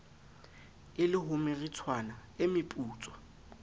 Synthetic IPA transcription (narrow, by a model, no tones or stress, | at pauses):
ɪlɪɦʊmɪrit͡sʰwanaɪmɪpʼuːt͡sʼwɔ̥